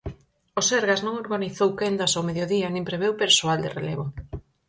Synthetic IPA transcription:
oseɾɣaznõŋoɾɣaniθowkend̪asowmeðjoðiɐnĩŋpɾeβ̞ewpeɾsoald̪ɪ̰rḛleβo

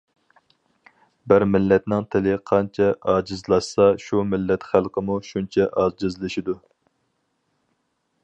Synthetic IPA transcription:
bɪɾmɪlːɛt̪nɪŋt̪ʰɪlɪqʰɑnt͡ʃʰɛʔɑːd͡ʒɨzlˠɑʃsɑʃumɪlːɛt̪χælˠqʰəmuʃunt͡ʃʰɛʔɑzd͡ʒɪzlˠɪʃid̪u

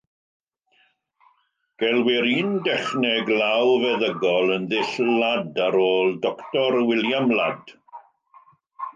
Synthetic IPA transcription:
ɡ̥ɛlˠwɪɾiːndɛχnɛɡlˠawvɛðəɡɔlˠənðɪɬladaɾoːlˠdɔktɔɾwɪljamlad̥

